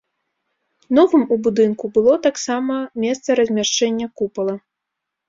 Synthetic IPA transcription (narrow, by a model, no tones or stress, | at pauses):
nɔvɨmubud̪ɨnkubɨlˠɔt̪aksamɐmʲɛst̪sɐɾɐzʲmʲaʂt͡ʂɛnʲːɐkupɐlˠɐ